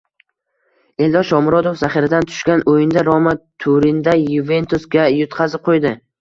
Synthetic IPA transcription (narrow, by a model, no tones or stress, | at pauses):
e̞ld̪ɒʃɒmɾɒd̪ofzaχɪɾad̪ant̪ʰʊ̥ʃkʲanʔojɪnd̪aɾɒmat̪ʰuɾɪnd̪ajuve̞nt̪ʰusɡʲajʊt̪qʰɑzɪp̚qʰojd̪ɪ